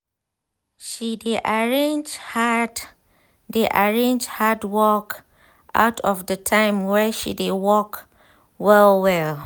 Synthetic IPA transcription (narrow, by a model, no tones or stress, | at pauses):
ʃideʔaɹẽnd͡ʒh | deʔaɹẽnd͡ʒhadwɔk | ʔa̰ʊtʰɔfdətʰãɪ̃mwɛʃḭdewɔk | wɛlwɛl